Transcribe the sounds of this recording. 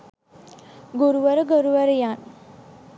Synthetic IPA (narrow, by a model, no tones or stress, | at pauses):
ɡuɾuʋəɾəɡəɾuʋəɾjan